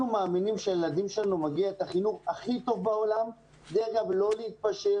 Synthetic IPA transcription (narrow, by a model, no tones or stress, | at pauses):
umaːminimʃejelad̪imʃelanumaɡiaet̪aχinuχaχit̪o̞vbao̞lam | d̪eʁɡablo̞leit̪̚paʃe